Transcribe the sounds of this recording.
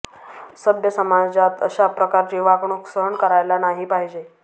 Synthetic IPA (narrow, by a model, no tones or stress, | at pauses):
səbjəsəmad͡ʑat̪ə̰ɕapɾəkaɾt͡ɕiːʋaɡɳuksəɾəɳkəɾajlanaɦipaɦid͡ʑe